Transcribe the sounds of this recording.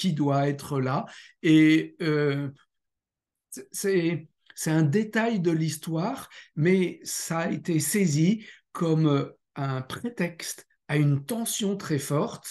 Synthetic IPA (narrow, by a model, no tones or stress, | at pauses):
kʲid̪waɛt̪χəlaeø | sɛ | sɛt̪ɛ̃d̪et̪ajd̪əlist̪waʁmɛsaːet̪esezikʰɔm | ɛ̃pχet̪ɛkst̪ | aynt̪ɑ̃sjɔ̃t̪χɛfɔʁt̪